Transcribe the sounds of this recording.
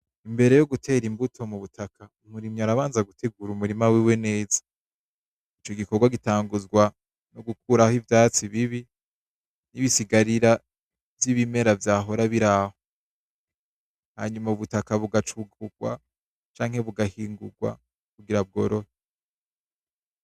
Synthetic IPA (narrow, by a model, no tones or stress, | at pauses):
imbe̞ɾe̞joɡutʰe̞ːɾimbutʰo̞muβutʰakʰaumuɾimɲaɾaβaːnzaɡutʰe̞ɡuɾumuɾimawiwe̞ne̞ːzḁ | it͡ʃo̞ɡiko̞ɾɡwaɡitaːŋɡuzɡwa | noɡuk̚uːɾahivjaːt͡siβiβi | niβisiɡaɾiɾa | vjiβime̞ɾavjaːɦo̞ɾaβiɾaho | ha̰ɲumauβutakaβuɡat͡ʃuɡuɡ̥̚wa̰ | t͡ʃaːŋhe̞βuɡahiːŋɡuɡwa̰ | kuɡiɾaβɡo̞ɾo̞ɾe